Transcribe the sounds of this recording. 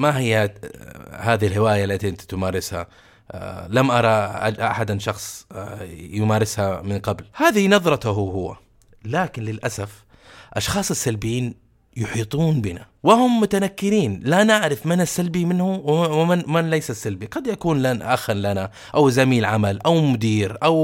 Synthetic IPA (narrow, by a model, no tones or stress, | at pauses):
maɦɪjːa | haːðhilhɪwaːjaʔlːat̪iʔɪnt̪t̪ʊmaːɾɪsha̰ | lamʔɑɾˤɑʔa̰d͡ʒʔa̰ħad̪anʃɑxsˤ | jʊmaːɾɪshamɪnqɑblhaːðɪhinɑðˤɾˤɑt̪ʊɦʊhʊwːa̰ | laːkɪnlɪlʔasaf | ʔɑʃxɑːsˤɪsːalbɪjːiːn | jʊħiːt̪ˤuːnbɪnawɪhʊmːʊt̪anakːɪɾiːnlanaʕɾɪfmanasːalbimɪnhʊwamanlajsasːalbiqɑd̪jakuːnlanʔaxanlana | ʔawzamiːlʕamalʔawmʊd̪iːɾʔaw